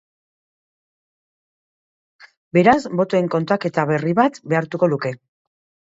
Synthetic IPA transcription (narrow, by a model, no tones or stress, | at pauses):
be̞ɾazbo̞t̪o̞e̞ŋko̞nt̪ake̞t̪aβe̞riβat̪be̞aɾt̪uko̞luke̞